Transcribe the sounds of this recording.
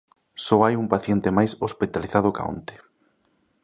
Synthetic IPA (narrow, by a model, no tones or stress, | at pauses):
soajumpaθjent̪emajsospit̪aliθað̞oka̰o̰nt̪e̥